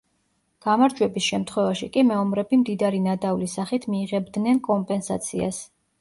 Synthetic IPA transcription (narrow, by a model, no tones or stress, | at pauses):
ɡ̥amaɾd͡ʒwɛbisʃɛmt̪ʰχwɛvaʃikʼimɛɔmɾɛbimd̪id̪aɾinad̪avlisaχit̪ʰmiːʁɛbd̪nɛnkʼɔmpʼɛnsa̰t̪sʰia̰s